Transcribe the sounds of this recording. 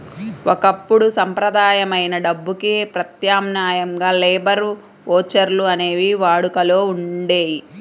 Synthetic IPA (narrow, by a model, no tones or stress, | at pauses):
wʔɔkɐpːuɽusɐmpɾɐd̪aːjɐmɐjnɐɖɐbːukipɾɐt̪jaːmnaːjɐŋɡaːlɛːbɐɾ | ɔːt͡ʃɐɾluɐne̞ːʋiʋaːɽukɐlo̞ːuɳɖe̞ːji